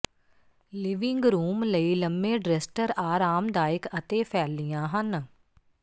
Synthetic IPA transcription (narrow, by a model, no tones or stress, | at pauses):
lɪʋɪ̃ŋɡɾuːmləiːləmːẽːɖɾɛsʈəɾaːɾaːmd̪aːɪkət̪eːpʰɛːlːɪjãːɦən